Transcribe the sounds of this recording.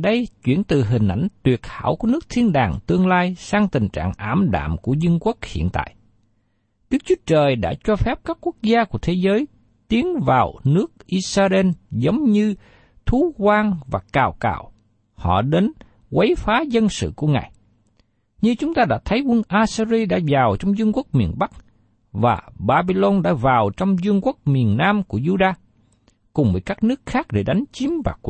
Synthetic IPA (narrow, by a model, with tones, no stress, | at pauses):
ɗə˧jt͡ɕwḭ˧˩ənt̪ɨ˨˩ɦï˨˩ŋ̟ʔa˧˩jŋ̟t̪wi˨˩ət̚ha̰ː˧˩wku˧˩ənɨ˦˥k̚t̪ʰi˧ənɗaː˨˩ŋt̪ɨ˧əŋlaː˧jsaː˧ŋt̪ï˨˩ŋ̟t͡ɕa̰ː˧˨ŋʔaː˧˩˥mɗa̰ː˧˨mku˧˩əzɨ˧nkwu˦˥k̚hḭ˧˨ənt̪a̰ː˧˨j | ɗɨ˦˥ək̚t͡ɕwu˦ət͡ɕəː˨˩jɗa̰ː˧˥t͡ɕɔ˧fɛ˦˥p̚kaː˦˥kːu˦˥ək̚zaː˧ku˧˩ət̪ʰe˨˦zəː˨˦j | t̪i˨˦əŋvaː˨˩wnɨ˦˥ək̚ʔi˧saː˧ze˧nzə˨˦wŋ͡mɲɨ˧ | t̪ʰu˨˦kwaː˧ŋvaː˨˩kaː˧˩wka̰ː˧˩w | hɔ̰˧˨ɗe˨˦n | wə˨˦jfaː˨˦zə˧nsɨ̰˧˨ku˧˩əŋa̰ː˨˩j | ɲɨ˧t͡ɕʊ˨˦ŋ͡mt̪aː˧ɗa̰ː˧˥t̪ʰə˨˦jwə˧nʔaː˧si˧zi˧ɗa̰ː˧˥zaː˨˩wt͡ɕɔ˧wŋ͡mzɨ˧əŋku˦˥ək̚mi˨˩ənɓa˦˥k̚ | vaː˨˩ɓaː˧ɓi˧lo˧nɗa̰ː˧˥vaː˨˩wt͡ɕɔ˧wŋ͡mzɨ˧əŋku˦˥ək̚mi˨˩ənːaː˧mku˧˩əzu˧ɗaː˧ | kʊ˨˩ŋ͡mvəː˨˦jkaː˦˥k̚nɨ˦˥ək̚xaː˦˥k̚ɗe˧˩ɗa˨˦jŋ̟t͡ɕi˨˦mva̰ː˨˩ku˧˩